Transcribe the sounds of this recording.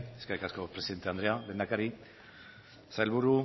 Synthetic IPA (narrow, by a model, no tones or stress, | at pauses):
eskaɾikasko̞pɾesiðent̪e̞and̪ɾeale̞ːnd̪akaɾi | saelβuɾu